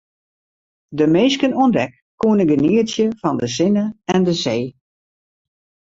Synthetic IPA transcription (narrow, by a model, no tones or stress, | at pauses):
dəmeːskənuəndɛkːuənəɡəniəsjəfɔndəsɪnəɛndəzeː